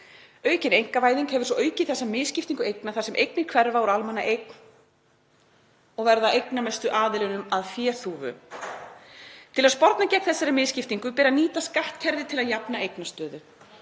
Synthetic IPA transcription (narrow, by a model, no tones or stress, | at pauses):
œːɥcɪnejŋkavaːjðiŋkhɛvʏ̥svɔʔœːɥcɪθɛsːamɪðscɪft̪iŋkʏejknaθḁsɛmʔejknɪkʰvɛɾvauɾalmɛnːaʔejkn̥ | ɔɣvɛɾðaʔejknamɛst̪ʏʔaːðɪlɪnʏmaðfjɛːθuːvʏ̰ | t̪ʰɪlaðspɔɾt̪nacɛkθɛsːaɾɪmɪːðscɪft̪iŋkʏpɛɾaniːt̪askaht̪cʰɛɾðɪt̪ʰɪlaðjapnaejknast̪œːðʏ